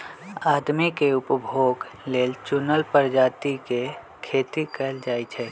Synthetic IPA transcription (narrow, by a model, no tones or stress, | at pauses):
aːd̪mikeʊpəbʱoːɡleːlt͡ʃʊnəlpəɾd͡ʒaːt̪ike | kʰeːt̪ikəld͡ʒaːit͡ʃʰɛː